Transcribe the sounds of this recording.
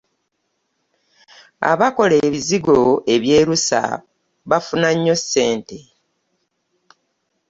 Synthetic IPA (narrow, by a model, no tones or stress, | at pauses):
a̰βako̞leːβiziɡo̞e̞βje̞ːɾusa̰ | βafunaɲːo̞se̞ːnte̞